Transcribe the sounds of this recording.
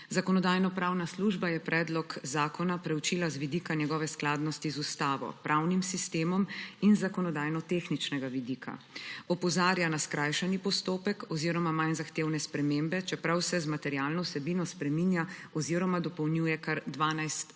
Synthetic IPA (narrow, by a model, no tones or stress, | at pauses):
zakɔnɔd̪aːjnɔpɾaːwnasluʒbajɛpɾʔɛːd̪lɔkzaːkɔnapɾɛwt͡ʃiːlazʋid̪iːkanjɛɡɔːʋɛsklaːd̪nɔst̪izust̪aːʋɔ̰pɾʔawnimsist̪eːmɔminzakɔnɔd̪aːjnɔt̪exnit͡ʃnɛɡaʋid̪iːkʰa̰ | ɔpɔzaːɾjanaskɾajʃɛnipɔst̪oːpɛkɔziːɾɔmamajnzaxt̪eːwnɛspɾɛmembɛt͡ʃɛpɾawsɛzmat̪ɛɾjaːlnɔwsɛbinɔspɾɛminjaɔziːɾɔmad̪ɔpɔwnjujɛkaɾd̪ʋaːnajst̪